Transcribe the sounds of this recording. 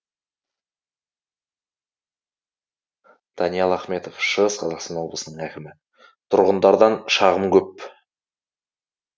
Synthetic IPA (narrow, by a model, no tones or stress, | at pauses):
d̪̥ɑnijɑlˠɑχme̞t̪ofʃəʁəsqʰɑzɑqst̪ɑnwo̞blˠəsənəɴækʲɪmɪ | t̪ʰʊɾʁənd̪ɑɾd̪ɑnʃɑʁəmkʲʰɵp̚